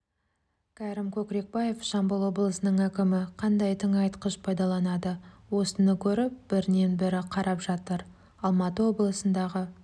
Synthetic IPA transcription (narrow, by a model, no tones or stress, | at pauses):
kʲʰæɾɪmkʲʰɵkɾe̞k̚bɑje̞fʃɑmbəlˠwo̞blˠəsənəɴækʲɪmɪqʰɑnd̪ɑjt̪ʰəŋɑjt̪qəʃpʰɑjd̪ɑlˠɑnɑd̪əwo̞sənəkʲʰɵɾɪp̚b̥ɪɾɪne̞nbɪɾɪqʰɑɾɑpʒ̥ɑt̪əɾ | ɑlˠmɑt̪əwo̞blˠəsənd̪ɑʁə